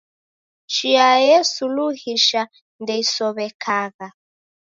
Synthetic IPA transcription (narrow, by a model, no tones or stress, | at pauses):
t͡ʃiajɛsuluhiʃa | ndɛisɔβɛkʰaɣa